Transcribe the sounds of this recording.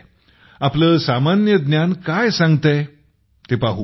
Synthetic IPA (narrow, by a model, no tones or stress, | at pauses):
apləːsamanjəd̪njankajsãŋɡt̪e | t̪epaɦu